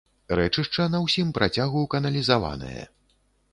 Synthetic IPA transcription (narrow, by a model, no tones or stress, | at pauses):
ɾɛt͡ʂɨʂt͡ʂɐnɐwsʲimpɾʔat͡sʲaɣukɐnɐlʲizava̰nɐ̰jɐ̰